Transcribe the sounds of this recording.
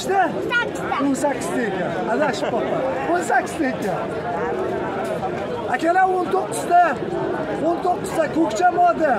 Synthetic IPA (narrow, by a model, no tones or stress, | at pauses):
ʃd̪a | onsakʲːɪz̥d̪aekʲanad̪aʃɪpːɒqonsakʲːɪ̥zd̪ajekʲan | akʲalaont̪ʰoqːʊzd̪a | ont̪ʰoqːɨzd̪akʰɵkʲt͡ʃʰamɒd̪ɪ